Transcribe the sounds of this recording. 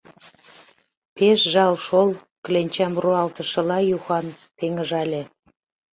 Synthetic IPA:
peʃʒɑlʃol | klenʲt͡ɕɑmruɑlt̪ə̆ʃə̆lɑjuxɑn | peŋə̆ʒɑlʲe

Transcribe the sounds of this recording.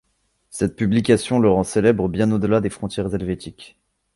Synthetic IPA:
sɛt̪̚pyblikʲasjɔ̃ləʁɑ̃selɛbʁəbjɛ̃nod̪əlad̪efχɔ̃t̪jɛʁzɛlvet̪ikʲ

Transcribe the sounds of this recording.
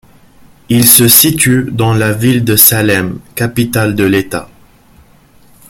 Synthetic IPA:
ilsəsit̪yd̪ɑ̃lavild̪əsalɛmkapit̪ald̪əlet̪a̰

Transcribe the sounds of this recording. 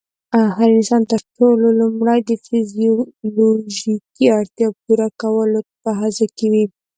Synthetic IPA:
axaɾnɪsɑnt̪əɾʈololumɽajd̪əfizioloʒikiaɽt̪jɑpuɾakawəlopəɦazakewi

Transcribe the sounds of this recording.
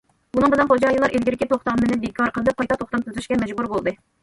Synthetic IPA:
bunɨŋbɪlɛnχod͡ʒɑjilˠɑɾʔelɡʲiɾɪkʲit̪ʰoχt̪ɑmːɨnɪbekʲʰɑɾqʰəlˠɨd̪ɨp̚qʰːɑjt̪ʰɑt̪ʰoχt̪ɑmt̪ʰyzyʃkʲɛmɛd͡ʒbuɾbolˠd̪ɨ

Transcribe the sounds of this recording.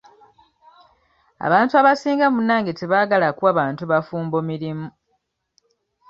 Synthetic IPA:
a̰βaːntuaβasiːŋɡamunːaːŋɡeteβaːɡalakuaβaːntuβafuːmbomiɾimu

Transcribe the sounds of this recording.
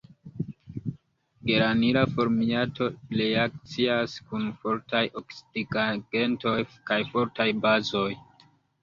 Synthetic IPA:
ɡeɾaniɾafo̞ɾmiatʰo̞leak̚t͡siaskunfo̞ɾtajʔoksi̥diɡaɡ̥e̞nto̞jkajfo̞ɾtajbazo̞j

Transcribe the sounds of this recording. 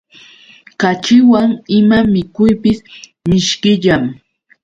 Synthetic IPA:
kat͡ʃɪwaŋɪmamɪkʊjpɪs | mɪʃkɪʎam

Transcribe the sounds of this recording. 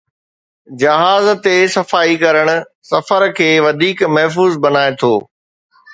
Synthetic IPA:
d͡ʑɐɦaːzt̪esɐfaːikɐɾəɽ̃ʊ̆ | sɐfəɾkʰeːʋɐd̪ʱiːkmɐɦf̬uːzbɐnaːet̪ʰoː

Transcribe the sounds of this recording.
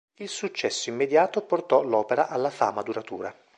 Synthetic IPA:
ilsut͡ʃːɛsːoimːed̪jaːt̪oport̪ɔlɔːpeɾaʔalːafaːmad̪uɾat̪uːɾa

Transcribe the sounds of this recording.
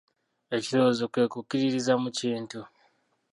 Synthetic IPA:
e̞ciɾo̞ːzokwe̞ːkukiɾiɾizamuciːntu

